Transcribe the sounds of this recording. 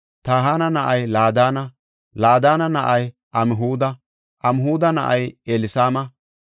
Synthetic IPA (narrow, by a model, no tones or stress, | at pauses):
t̪aːɦaːnɐnɐʔɐjlaːd̪aːnɐ | laːd̪aːnɐnɐʔɐj | ʔɐmɪɦuːd̪ɐ | ʔɐmɪɦuːd̪ɐnɐ̰ʔɐjelɪsaːmɐ